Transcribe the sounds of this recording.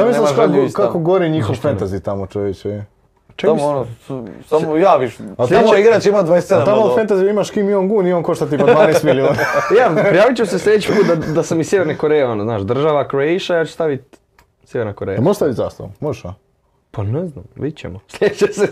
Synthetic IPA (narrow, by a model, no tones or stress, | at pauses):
t̪amisliʃkakkokakoɡoɾiɲixoʋfent̪azit̪amot͡ʃoʋet͡ɕe | t͡ʃeknosamojaːʋiʃaeaemoiɡɾat͡ɕeimad̪ʋaesed̪at̪amoffent̪aziimaʃkimioŋɡuːnioŋkoʃt̪at̪ipad̪vaːnest̪milioːnajapɾijaːʋit͡ɕemoseslʲʎeet͡ɕi̥puːt̪̚d̪ad̪asamissjeʋeɾnekoɾejeonoznaːʃd̪r̩ʒaʋakɾeiʃajaːt͡ɕe̥st̪aʋit̪̚ʲ | sʲjeʋeɾnakoɾḛjamoʒeʃst̪aʋit̪za̰st̪o̰moʒeʃa̰ | panɛznamʋit͡ɕḛmoslʲʎʲed̪et͡ɕese